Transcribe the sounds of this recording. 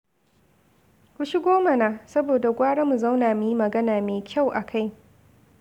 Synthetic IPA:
kʷu˦ʃɪ˦ɡʷoː˦mɐ˨naː˨sɐ˦boː˨da˨ɡʷaː˦ɽa˦mu˨za˦wnaː˨mu˨ji˦mɐ˨ɡɐ˦naː˨meː˨kʲʰa˦˨wʔa˨kʰa˦˨j

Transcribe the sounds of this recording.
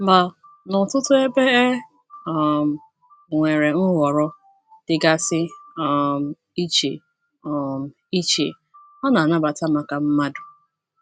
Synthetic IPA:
m̩˨ba˨ | nʊ˨tʊ˦tʊ˦e˦be˦e˦ | ɔ˨m̩˨ | ŋʷe˨ɾe˨n̩˦wʷɔ˨ɾɔ˦ | d̥ɪ˨ɡa˦sɪ˦ɔ˨m̩˨ | i˦t͡ʃḛ˨ | ɔ˨m̩˨ | i˦t͡ʃḛ˨ | ɔ˦na˨na˦ba˨ta˦ma˨ka˨m̩˦ma˦dʊ˨

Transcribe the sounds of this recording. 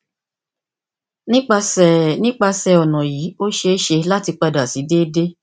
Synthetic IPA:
nĩ˦k͡pa˧sɛ˨nĩ˦k͡pa˧sɛ˨ɔ˨nɔ̃˨jiː˨˦o˦ʃe˧˦ʃe˧la˦ti˧k͡pa˧da˨si˨˦de˦de˦

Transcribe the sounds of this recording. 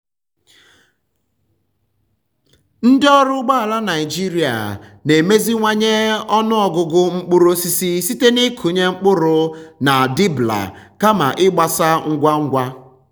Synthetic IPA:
n̩˦dɪ˦ɔ˦ɾʊ˦ɡ͡ba˦a˨la˦na˨ɪ˨d͡ʒi˦ɾi˨a̰˨ne˨me˦zi˦ŋʷa˦ɲe˦ɔ˦nʊ˦ɔ˨ɡʊ˨ɡʊ˦ŋ͡m̩˦k͡pʊ˦ɾʊ˦si˦si˦si˦te˦ni˦kʰu˨ɲe˦ŋ͡m̩˦k͡pʊ˦ɾʊ˨na˨di˦bla̰˨ka˦ma̰˨ʔɪ˦ɡ͡ba˨sa˦ŋ̩˦ɡʷa˦ŋ̩˦ɡʷa˦

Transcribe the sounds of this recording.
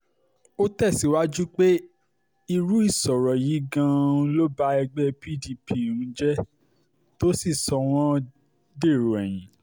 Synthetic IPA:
o˦tɛ˦˨si˨˦wa˦d͡ʒu˦k͡pe˦ | i˧ɾu˨˦i˦˨sɔ˨ɾɔ˨ji˨˦ɡã˧lo˦ba˦ɛ˧ɡ͡bɛ˦pi˦di˧pʰi˦˨ɾũ˨˦d͡ʒɛ˦ | to˦si˦˨sɔ˧w̃ɔ̃˦ | de˦˨ɾo˨ɛ˨j̃ĩ˨˦

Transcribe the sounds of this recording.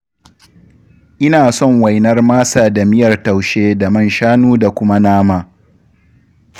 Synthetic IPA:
ʔɪ˦naː˨sɔ˦ŋwa˨jnɐ˦rmaː˦saː˨da˨mɪ˦jɐ˨rta˨wʃeː˦da˨mɐ˦nʃaː˦nuː˦da˨kʷʊ˦ma˦naː˦maː˦

